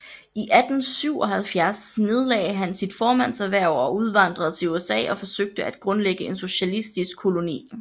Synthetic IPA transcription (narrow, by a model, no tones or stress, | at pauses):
iʔæd̥n̩syʊ̰ɒ̽ɦælfjæɐsne̝ð̞ˠlɛ̰ːɪɦænsid̥fɒːmæn̰sæʋæɐ̰ɒ̽uð̞ˠʋɑ̈n̰d̥ʁɐðˠt͡sʰe̝luesɛ̰ːɒ̽fɒ̽søɡ̥̚d̥əʔæd̥̚ɡ̥ʁɔ̽nleɡ̥əe̝nso̝ɕælisd̥isɡ̥̚kʰːo̝lo̝nḭː